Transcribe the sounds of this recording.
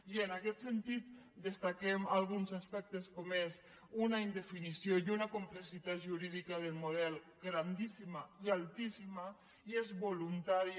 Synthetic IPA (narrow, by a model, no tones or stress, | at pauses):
ienakɛt̪sent̪it̪d̪est̪akɛmalˠɣunzaspɛk̚t̪eskomez | unaind̪efinisiojunakumplesit̪at̪ʒuɾiðikað̞elmuð̞ɛlˠ | ɡɾand̪isimaialˠt̪isima | iezβolunt̪aɾi